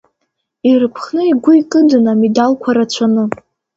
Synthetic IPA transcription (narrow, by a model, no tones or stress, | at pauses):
irɨpʰχnɨiɡʷʊikʼɨdɨnamidalkʷʰaɾat͡ɕʷʰanɨ